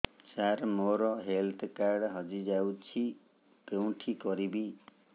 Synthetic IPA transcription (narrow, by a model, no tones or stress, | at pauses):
saɾmoɾɔɦelt̪ʰkaɾɖɦɔd͡ʒid͡ʒawt͡ʃʰi | pew̃ʈʰikɔɾibi